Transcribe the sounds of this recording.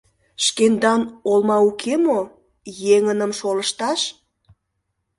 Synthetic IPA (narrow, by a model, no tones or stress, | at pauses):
ʃkend̪ɑnolmɑukʰemo | jeŋənəmʃoləʃt̪ɑʃ